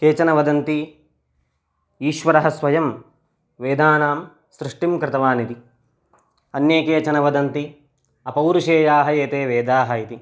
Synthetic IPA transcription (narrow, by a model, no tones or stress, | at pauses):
keːt͡ʃɐnɐʋɐd̪ɐnt̪i | iːʃʋɐɾɐɦɐsʋɐjɐm | ʋeːd̪aːnaːm | sɾɪʂʈimkɾɪt̪ɐʋaːnit̪i | ɐnjeːkeːt͡ʃɐnɐʋɐd̪ɐnt̪i | ɐpɐwɾuʃeːjaːɦɐeːt̪eːʋeːd̪aːɦɐit̪i